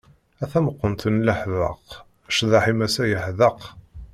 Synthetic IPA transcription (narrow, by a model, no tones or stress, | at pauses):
æθæməqːənt̪ənləħvə̰q | ʃðɑħimæsæjəħðəq